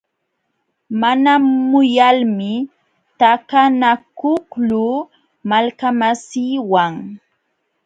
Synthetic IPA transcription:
manamʊjalmɪ | t̪akanakʊklʊ | malkamasiːwaŋ

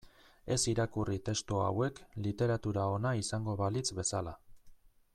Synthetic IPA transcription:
e̞siɾakurit̪e̞st̪ua̰we̞klit̪e̞ɾat̪uɾao̞naisaŋɡo̞βalit͡sβe̞sala

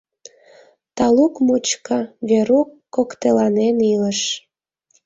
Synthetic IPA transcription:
t̪ɑlukmut͡ɕkɑβeɾukːokt̪elɑneniləʃ

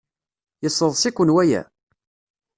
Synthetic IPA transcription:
jəsˤːəðˤsikʷənwæjæ̰

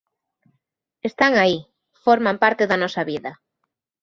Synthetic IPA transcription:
est̪aŋai | fɔɾmãmpaɾt̪eðɐnɔsaβiðɐ

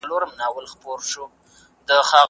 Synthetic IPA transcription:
loɾamnɑwəlxpoɾʃu | d̪əxɑ

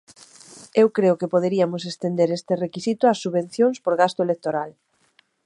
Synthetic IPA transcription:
ewkɾeʊkepoð̞eɾiamʊsest̪end̪eɾest̪erekisit̪ʊasːuβẽn̟θjõŋspoɾɣast̪ʊelek̚t̪oɾal

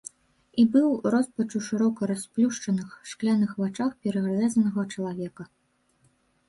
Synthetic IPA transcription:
ibɨwrɔspɐt͡ʂuʂɨɾɔkɐɾasplʲuʂt͡ʂɐnɨxʂklʲanɨxvat͡ʂaxpʲɛɾɐɣalʲɛzɐnɐɣɐt͡ʂɐlˠavʲɛkɐ

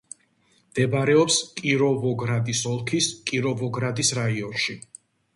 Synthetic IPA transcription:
md̪̥ɛbaɾɛɔpskʼiɾɔvɔɡɾad̪isɔlˠkʰiskʼiɾɔvɔɡɾad̪isɾaiɔnʃi

